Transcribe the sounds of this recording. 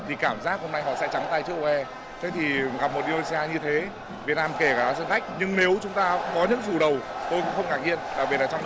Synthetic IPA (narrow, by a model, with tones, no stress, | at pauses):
t̪ʰi˨˩kaː˧˩mzaː˦˥k̚ho˧mna˧jɦɔ̰˧˨sɛ̰˧˥t͡ɕa˨˦ŋ͡mt̪aː˧jt͡ɕɨ˦əʔo˧ʔɛ˧ | t̪ʰe˨˦t̪ʰi˨˩ɣa˨˩p̚mo˨˩t̚ʔi˧ɗo˧si˧aː˧ɲɨ˧t̪ʰe˨˦ | vi˨˩ət̚naː˧mke˧˩kaː˧˩˨sə̰˧˨nt̪ʰa˦˥k̟̚ɲɨ˧ŋne˨˦wt͡ɕʊ˨˦ŋ͡mt̪aː˧kɔ˨˦ɲɨ̰˧˥ŋt͡ɕu˨˩ɗə˨˩wt̪o˧jkʊ̰˧˥ŋ͡mxə˧wŋ͡mkaː˧˩k̚ɲḭ˧ənlaː˧˩ɓi˧˩laː˨˩t͡ɕɔ˧ŋ͡m